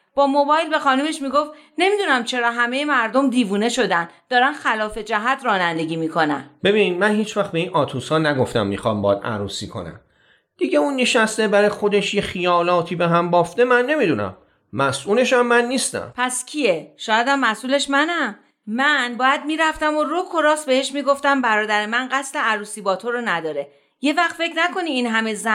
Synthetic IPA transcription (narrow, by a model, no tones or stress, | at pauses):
b̥ɒːmo̞bɒːjlbe̞xɒːnuːme̞ʃmiːɡo̞ft̪ | ne̞miːd̪unæmt͡ʃʰe̞ɾɒːɦæme̞jemæɾd̪o̞md̪iːvuːne̞ʃo̞d̪ænd̪̥ɒːɾænxælɒːfe̞d͡ʒæɦæt̪ʰrɒːnænd̪e̞ɟiːmiːkʰo̞næ̰nbe̞biːnid̪mænhiːt͡ʃʰvæxt̪be̞iːnɒːt̪ʰuːshɒːnæɡo̞ft̪æ̰mːixɒ̰ːmbɒ̰ːd̪æ̰ɾuːsiːkʰo̞̰næ̰m | d̪̥iɟe̞uːnːeʃæst̪e̞bæɾɒjxo̞d̪eʃjexijɒːlɒːt̪ʰiːbeɦæmbɒːft̪e̞mænːe̞miːd̪unæ̰mː | æsʔuːle̞ʃæmːænːiːst̪æ̰mpʰæscʰieʃɒːjæd̪æmːæsʔuːle̞ʃmænæ | mænbɒːjæd̪̚miːɾæft̪æmorokʰo̞ɾɒːsbe̞he̞ʃmiːɡo̞ft̪æmbæɾɒːd̪æɾemænɢæsle̞æɾuːsiːbɒːt̪ʰoɾonæd̪ɒːɾe̞ | je̞væxt̪fe̞cʰnæko̞niːnɦæme̞zæ